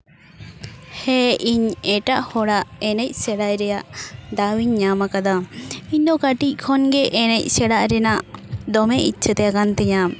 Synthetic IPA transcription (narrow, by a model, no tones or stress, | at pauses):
hɛiɲɛʈaʔhɔɽaʔɛnɛc̚ˀsɛɽaʔɾɛjaʔd̪awiɲːamakad̪aiɲd̪ɔkaʈic̚ˀkʰɔnɡɛʔɛnɛc̚ˀsɛɽaʔɾɛnaʔd̪ɔmɛʔḭt͡ʃʰət̪ɛakant̪ɛɲa